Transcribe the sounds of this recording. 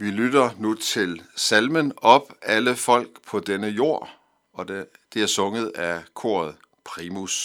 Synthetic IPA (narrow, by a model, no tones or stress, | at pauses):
ʋilyd̥ɐnut͡sʰe̝lsælmənɒ̽b̥æləfɒ̽l̰ɡ̥pʰɒ̽d̥enəjo̝̰ɐ̰ | ɒ̽dd̥e̝æɐsɔ̽ŋəð̞̩ˠækʰo̝̰ːɐ̰ð̞̩ˠ | pʰʁimus